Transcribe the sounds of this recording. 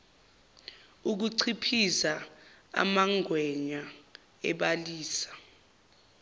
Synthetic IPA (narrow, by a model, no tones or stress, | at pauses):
uk̬uǀʰipʰisaa̰maŋʱwɛɲa | ɛ̰ɓaliːsḁ